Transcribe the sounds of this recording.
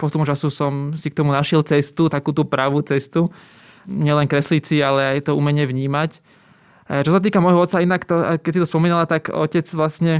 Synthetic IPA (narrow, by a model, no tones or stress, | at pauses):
pɔst̪upmut͡ʃasusɔmsik̚t̪ɔmunaʃɪɛlt͡sɛst̪ut̪akuːt̪upɾaʋut͡sɛst̪u | ɲɪɛlɛnkɾɛslit͡sialɛajt̪ɔuːmɛɲɛʋɲiːmac | t͡ʃɔsat̪iːkamɔjɦɔɔt̪t͡sːainakt̪ɔakɛsit̪ɔspɔmiːnalat̪akɔ̰cɛd͡zʋlasɲɛ